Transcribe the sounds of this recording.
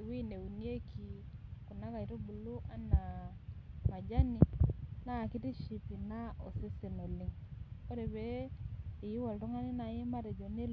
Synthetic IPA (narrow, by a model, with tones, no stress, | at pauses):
wi˦ne˨u˨ni˦e˦ki˨ | ku˨na˦ka˨i˨ɾo˦bu˨lu˦ʔa˦na˨ | ma˨d͡ʒa˦ni˨na˦˨ki˦ti˦ʃi˨pi˨na˦o̰˨se˦se˨no˨li˦ŋo˦ɾe˨βɛː˦˨ | ji˦wa˨lto˦ŋa˦ne˦na˨e˦ma˦ɾe˨d͡ʒɔ˨n˦e˦l